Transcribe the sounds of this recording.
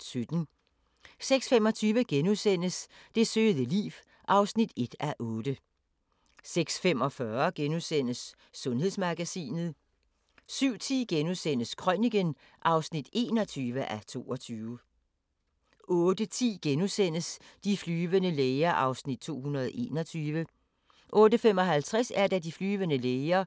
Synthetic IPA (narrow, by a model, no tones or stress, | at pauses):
sød̥n̩ | seɡ̥sfemɒ̽t͡sʰyːʋəɡ̥enusen̰əsd̥e̝søːðˠəlḭːʋ | ʔɑ̈ʊsnid̥e̝d̥æʔɔ̽ːd̥ə | seɡ̥sfem̰ɒ̽fɶɐɡ̥enusen̰əsː | ɔ̽nɦe̝ðˠsmɑ̈ɡ̥æsḭːnð̞̩ˠ | syʊ̰t͡sʰḭːɡ̥enusen̰əskʰʁœniɡ̥ən | ʔɑ̈ʊsnid̥e̝̰ːnɒ̽t͡sʰyːʋəʔæt͡sʰo̝̰ːɒ̽t͡sʰyːʋ | ʔɔ̽ːd̥ət͡sʰḭːɡ̥enusen̰əsd̥iflyːʋənəleɪɐʔɑ̈ʊsnid̥̚t͡sʰo̝̰ːhunɐðˠʔe̝̰ːnɒ̽t͡sʰyːʋə | ʔɔ̽ːd̥əfem̰ɒ̽ɦælt͡sʰʁasæɐd̥ædiflyːʋənəleɪɐ